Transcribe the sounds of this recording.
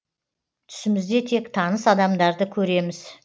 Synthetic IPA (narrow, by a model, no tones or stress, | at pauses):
t̪ʰʏ̥sɪmɪzd̪e̞t̪ʰe̞kt̪ʰɑnəsɑd̪ɑmd̪ɑɾd̪əkʲʰɵɾe̞mɪz̥